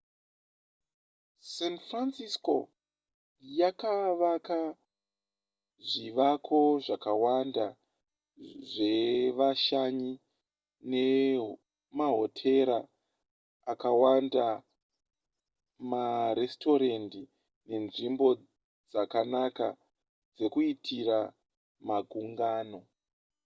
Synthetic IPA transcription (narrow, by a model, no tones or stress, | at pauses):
senfransisko̞ | jakaʋaka | ʐiʋakʰo̞ʐakawanda | ʐe̞ʋaʃaɲi | ne̞ | maɦo̞tʰe̞ɾa | akawanda | maɾe̞sto̞ɾendi | ne̞nʐimbo̞ | d͡zakanaka̰ | d͡ze̞kuitʰiɾa | maɡʱuŋɡaːno̞